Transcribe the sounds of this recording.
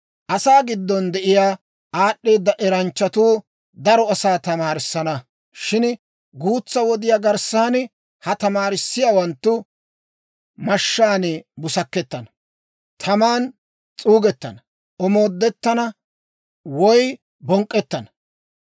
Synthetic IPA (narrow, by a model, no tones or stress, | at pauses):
ʔɐsaːɡɪd̪ːɔnd̪ɛʔɪjaː | aːɗːeːd̪ːɐʔɛɾɐnt͡ʃːɐt̪uː | d̪ɐɾɔɐsaːt̪ɐmaːɾɪsːɐnɐ | ʃɪn | ɡuːt͡sːɐwɔd̪ɪjaːɡɐɾsaːn | hɐt̪ɐmaːɾɪsːɪjaːwɐnt̪ːʊ | mɐʃːaːnebʊsɐkːɛt̪ːɐnɐ | t̪ʰɐmaːn | t͡sʼuːɡɛt̪ːɐnɐ | ʔɔmoːd̪ːɛt̪ːɐnɐ | wɔj | bɔŋkʼːɛt̪ːɐnɐ